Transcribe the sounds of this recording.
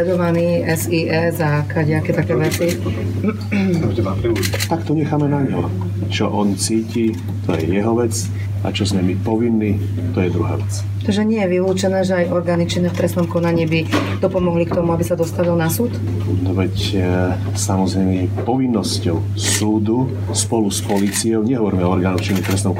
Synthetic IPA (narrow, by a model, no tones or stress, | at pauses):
ɛd̪ɔʋaniːɛsiːʔɛzakaɟɛakɛːt̪akɛːʋɛt͡si | ait̪akt̪ɔɲɛxaːmɛnaɲɦɔ | t͡ʃɔ̰ʔɔnt͡siːci | t̪ɔjɛ̰jɛɦɔʋɛt͡s | a̰t͡ʃɔzmɛmipɔʋinːiː | t̪ɔjɛd̪ɾuɦa̰ːʋɛt͡s | t̪aʒɛɲɪɛjɛʋiluːt͡ʃɛnɛːʒɛajɔɾɡaːnit͡ʃinɛft̪ɾɛsnɔmkɔnaɲiːbi | d̪̥ɔpɔmɔɦlikt̪ɔmuabisad̪ɔst̪aʋilnasuːt̪ | nɔʋɛc | samɔzɾɛmipɔʋinːɔscɔʊ | suːd̪u | spɔluspɔliːt͡sijɔʊɲɛɦɔʋɔɾimɛɔɔɾɡaːnɔwxt͡ʃinɛft̪ɾɛsnɔʊ